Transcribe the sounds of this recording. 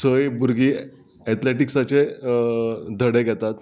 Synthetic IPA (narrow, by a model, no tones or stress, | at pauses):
səjbuɾɡiː | ɛt̪leʈiksat͡se | d̪ʱəɽeɡʱɛt̪at̪